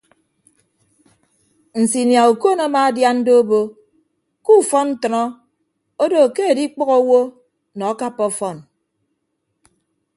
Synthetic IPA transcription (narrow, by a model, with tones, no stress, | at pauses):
n̩˨si˨nja˨u˨ko˦nɔ˦ma˦dja˦n̩˦do˦bo˦ | ku˦˨fɔ˦nn̩˦tɔ˨nɔ˦ | o˦do˨ke˦e˨di˦k͡pɔ˦ɣɔ˦wo˦ | nɔ˨a˦ka˦pːɔ˦fɔ˦˨n